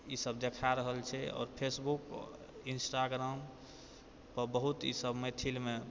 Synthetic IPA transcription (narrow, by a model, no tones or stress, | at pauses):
isəbd̪ekʰaɾəɦəlt͡ʃʰɛɔ̰ːɾpʰesbuk | insʈaɡɾam | pəɾbəɦut̪isəbməjt̪ʰilme